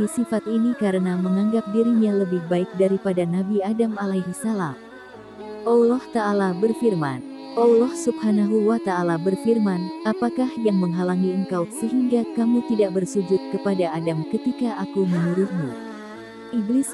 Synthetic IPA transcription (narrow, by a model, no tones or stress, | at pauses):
isifat̪̚inikaɾənaməŋaŋɡap̚diɾiɲaləbɪhbaɪk̚daɾipadanabiadamalaɦisalah | ʔɔlɔht̪aːlabərfirmanʔɔlɔhsubhanaɦuwat̪aːlabərfirmanapakahjaŋməŋɦalaŋiəŋkawsəɦiŋɡakamut̪idaʔbərsud͡ʒʊt̪̚kəpadaadamkət̪ikaʔakumənuɾuhmu | ʔiblis